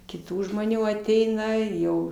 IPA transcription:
kʲɪˈtuː ʒmoːˈnʲuː ɐˈtʲɛɪnɐ ɪ jɛʊ

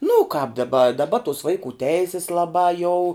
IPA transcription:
nʊ ʊ kɑːp dɐˈbɐ dɐˈbɐ tʊs ˈʋɐɪkuː ˈtʲɛɪsʲɪs lˠɐˈbɑː jɛʊ

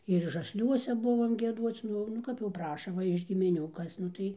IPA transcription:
ɪr ʒɐsʲˈlʲuɔsʲɛ ˈbʊʋoːm ɡʲiɛˈduɔt͡s ˈnʊ nʊ ˈkɐp jɛʊ ˈprɑːʃɐ ˈʋɐ ɪʃ ɡʲɪmʲɪˈnʲuː ˈkɐs nʊ ˈtɐɪ

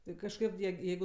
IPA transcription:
ˈtɐɪ kɐʃˈkɐt jiɛ ˈjɛɪɡʊ

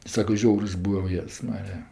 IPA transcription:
ˈsɑːkɐ ˈʒʲɛʊrs ˈbuːʋɐ oː ˈjeːss ˈmɑːrʲɪjɛ

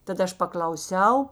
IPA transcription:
tɐt ˈɐʃ pɐklˠɐʊˈsʲɛʊ

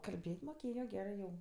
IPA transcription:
kɐlʲˈbʲeːtʲ moːˈkʲeːjoː ˈɡʲæːrɜ jɛʊ

